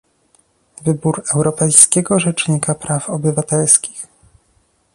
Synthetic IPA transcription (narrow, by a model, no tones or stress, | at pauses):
vɘbuɾɛwɾɔpɛjskʲɛɡɔʐɛt͡ʂɲikapɾafɔbɘvat̪ɛlskʲi̥x